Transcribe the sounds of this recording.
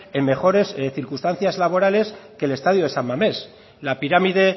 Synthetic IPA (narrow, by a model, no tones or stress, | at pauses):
e̞mme̞xo̞ɾe̞sθiɾkust̪an̟θjazlaβ̞o̞ɾale̞ske̞le̞st̪aðjoðe̞sammame̞s | lapiɾamiðe̞